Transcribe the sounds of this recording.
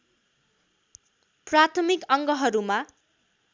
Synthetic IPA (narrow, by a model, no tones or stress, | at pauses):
prat̪ʰʌmikʌŋɡʌɦʌɾuma